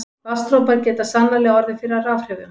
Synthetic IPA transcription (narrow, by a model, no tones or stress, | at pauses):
vast̪ɾowpaɾcɛːt̪asanːalɛɣaɔɾðɪfɪɾɪaraːfr̥ɛːvʏm